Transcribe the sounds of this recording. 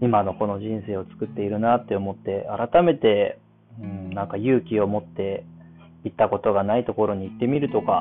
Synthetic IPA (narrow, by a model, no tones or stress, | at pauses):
imano̞ko̞no̞ʑĩɰ̃se̞ːo̞t͡sɨ̥kɯ̟t̪ːe̞iɾɯ̟nat̪ːe̞o̞mo̞t̪ːe̞aɾat̪ame̞t̪e̞ | ɯ̟̃nãŋkajɯːkʲio̞mo̞t̪ːe̞ | it̪ːako̞t̪o̞ɡanait̪o̞ko̞ɾo̞ɲ̟iːt̪ːe̞mʲiɾɯ̟t̪o̞ka